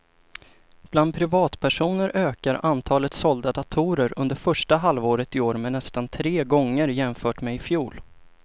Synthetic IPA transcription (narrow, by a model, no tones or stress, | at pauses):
b̥land̪̚pʰɾɪvɑːt̪pʰæʂuːnəɾʔøːkaɾant̪ʰɑːlət̪sɔld̪ad̪at̪ʰuːɾəɾɵnd̪əɾfœʂʈaɦalvoːɾət̪ɪoːɾmɛnɛst̪ant̪ʰɾeːɡɔŋːəɾjɛmfœːʈmɛɪfjuːl